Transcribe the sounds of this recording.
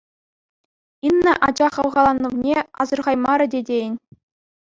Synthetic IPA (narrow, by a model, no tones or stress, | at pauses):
inːɤʔɑd͡ʑɑχɤ̆ʋʁɑlˠɑnːɤ̆ʋnʲeɑ̰zɤ̆rʁɑjmɑɾɤ̆dʲedʲenʲ